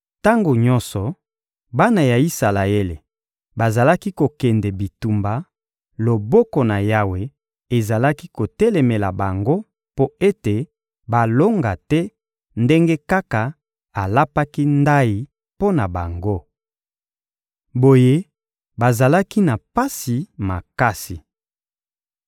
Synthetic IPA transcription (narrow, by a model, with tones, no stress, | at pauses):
ta˦ŋɡo˨ɲɔ̃˦nsɔ˨ | ba˦na˨ja˨i˦sa˨la˨e˦le˨ | ba˨za˨la˦ki˦ko˨kɛ˨ndɛ˨bi˨tu˨mba˨ | lo˨bɔ˦kɔ˨na˨ja˦we˨ | e˨za˨la˦ki˦ko˨tɛ˦lɛ˨me˨la˨ba˨ŋɡo˦ | po˦e˦te˨ | ba˨lo˦ŋɡa˨tɛ˦ | nde˦ŋɡe˦ka˦ka˨ | a˨la˦pa˦ki˦nda˦ji˨ | po˦na˨ba˨ŋɡo˦ | bo˨je˦ | ba˨za˨la˦ki˦na˨pa˦si˨ma˨ka˦si˨